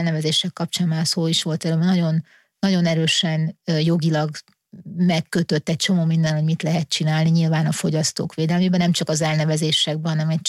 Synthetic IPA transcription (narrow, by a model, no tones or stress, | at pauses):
lnɛvɛzeːʃɛkːɒpt͡ʃaːnmaːlsoːiʃʋo̞lt̪ɛlønɒɟo̞nː | ɒɟo̞nɛɾøːʃɛnjo̞ɡilɒɡ | mɛkːøt̪ø̞t̪ːɛc̚t͡ʃo̞moːmind̪ɛnhomit̪lɛɦɛt̪̚t͡ʃinaːlniɲilvaːnɒfo̞ɟɒst̪oːkʋeːd̪ɛlmeːbɛnɛmt͡ʃɒkɒzɛlnɛvɛzeːʃɛɡ̚bɛɦɒnɛmɛc